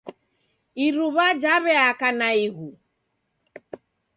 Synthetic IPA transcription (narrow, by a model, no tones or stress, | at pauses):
iɾuβad͡ʒaβɛakanaiɣu